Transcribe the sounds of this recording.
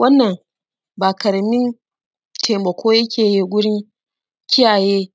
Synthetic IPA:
wɐ˦nːɐ˨ŋ | baː˨kɐ˨ɾmɪ˦n | tʰeː˨mɐ˨kʷʰoː˦jɐ˦kʲʰeː˨jiː˦˨ɡʷʊ˦ɽɪ˦ŋ | kʲɪ˦jaː˨jeː˦

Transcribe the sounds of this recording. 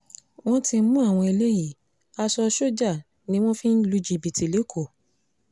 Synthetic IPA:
w̃ɔ̃˦ti˧˦mũ˦a˦˨w̃ɔ̃˧i˧le˦ji˦˨ | a˧sɔ˧ʃo˦d͡ʒa˦˨ | nĩ˦w̃ɔ̃˦fĩ˦n̩˦lu˦d͡ʒi˧˨bi˨ti˨le˨˦kʰo˦˨

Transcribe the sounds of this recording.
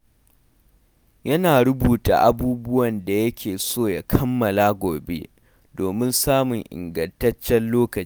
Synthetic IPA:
jɐ˦naː˨ɽʊ˦buː˨ta̰ː˨ʔa˦buː˦bʊ˦wɐ˨nda˨jɐ˦kʲʰeː˨soː˦˨ja˨kʰɐ˦mːɐ˨la˦ɡʷoː˨be˦ | doː˨mɪ˦nsaː˦mʊ˨ŋʔɪ̰˨ŋɡɐ˨ntɐ˦t͡ʃːɛ˦nloː˦kɐ˨˦

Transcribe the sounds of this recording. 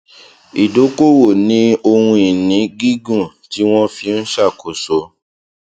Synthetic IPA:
i˨do˨˦ko˦wo˦˨nĩ˦o˧hũ˧i˨nĩ˨˦ɡi˦ɡũ˦˨ | ti˨˦w̃ɔ̃˦fi˧n̩˦ʃa˦˨ko˨so˨˦

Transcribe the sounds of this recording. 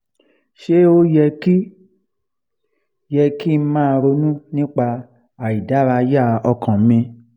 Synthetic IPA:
ʃe˦o˦jɛ˧ki˦ | jɛ˧ki˦˧˦mãː˦˧ɾo˧nũ˦nĩ˦k͡pa˧ | a˨i˨da˨˦ɾa˧ja˦˨ɔ˧kã˨˦mĩ˧

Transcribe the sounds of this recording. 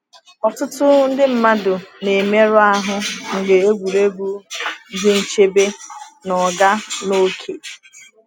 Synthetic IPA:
ɔ˨tʊ˦tʊ˦n̩˦dɪ˦m̩˨ma˦dʊ˨ne˨me˦ɾʊ˦a˦ɦʊ˦ŋ̩˨ɡe˨e˦ɡʷu˨ɾe˦ɡʷu˦dɪ˦n̩˦t͡ʃe˦be˦nɔ˨ɡa˦no˦kʰe˨

